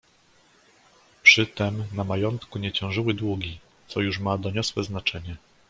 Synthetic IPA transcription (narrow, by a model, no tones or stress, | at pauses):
pʂɘt̪ɛmnamajɔnt̪kuɲɛt͡ɕɔ̃w̃ʐɘwɘd̪wuɡʲi | t̪sɔjuʂmad̪ɔɲɔswɛznat͡ʂɛɲɛ